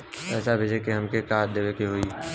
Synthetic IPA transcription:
ɛːsabʱed͡ʒekeɦɐmkekaːɾd̪eːʋekeɦoːi

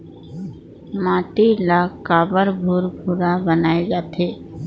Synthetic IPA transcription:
mãːt̪ilaːkaːbəɾbʱuɾbʱuɾabənaːed͡ʒaːt̪ʰeː

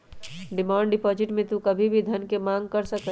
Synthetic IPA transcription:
ɖimãːɳɖipɔd͡ʒiʈmẽt̪ũkəbʱibʱid̪ʱənkemãŋɡ̚kəɾsəkə

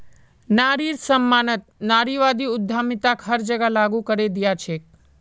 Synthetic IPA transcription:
naɾiɾsəmːanət̪̚naɾiʋad̪iʊd̪ʱːamit̪akʰɦəɾd͡ʒəɡalaɡũkəɾed̪ijat͡ʃʰek

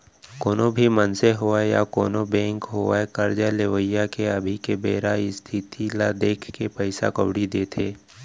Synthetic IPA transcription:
koːnobʱimənseɦoːaeja̰koːnobɛ̃ːŋkɦoːaekəɾd͡ʒaleʋəjːakeɐbʱikebeːɾaist̪ʰɪt̪ʰilad̪eːkʰkepəɪsa̰kɐ̰ʋɽid̪eːt̪ʰeː

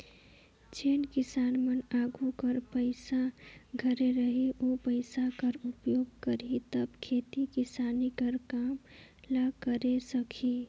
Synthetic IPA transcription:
t͡ʃeːnkisanmənaɡʱukəɾpəɪsaɡʱəɾeɾəɦiʔopəɪsakəɾupjoːɡkəɾit̪əbkʰet̪ikisanikəɾkamlakəɾesəkʰi

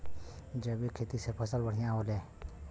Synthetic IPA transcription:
d͡ʒəbikʰet̪isepʰəsəlbəɽ̤ijãɦoːleː

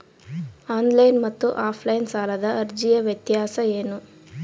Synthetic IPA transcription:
aːnlɐjnmɐt̪ːuʔaːpʰlɐjnsaːlɐd̪ɐʔɐɾd͡ʒijɐʋjɐt̪jaːsɐeːnu

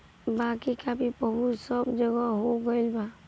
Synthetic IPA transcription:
bakikapipəbusəbd͡ʒəɡaɦoɡəɪlba

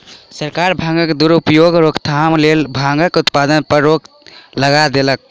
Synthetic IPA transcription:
səɾkaɾbʱãŋɡəkd̪uɾupjoɡɾokt̪ʰamlelbʱãŋɡəkut̪pad̪ənpəɾok | ləɡad̪elək̚

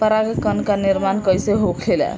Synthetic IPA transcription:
pəɾaɡekənkaniɾmankəjseɦokʰlelɛ̰

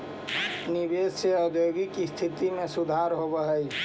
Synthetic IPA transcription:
nibesseəd̪ʱjoɡikist̪ʰit̪imesud̪ʱaɾɦobəɦəj

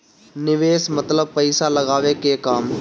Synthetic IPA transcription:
nɪʋeːsmɐt̪ləb̚pɐɪsalɐɡaːʋekekaːm

